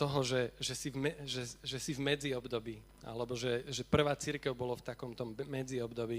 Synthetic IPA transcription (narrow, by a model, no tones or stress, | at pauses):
t̪ɔɦɔʒɛʒɛsivmɛʒɛʒɛsivmɛd͡ziɔbd̪ɔbiː | a̰lɛbɔʒɛʒɛpr̩ʋaːt͡siɾkɛʊbɔlɔft̪akɔmt̪ɔmːɛd͡ziɔbd̪ɔbiː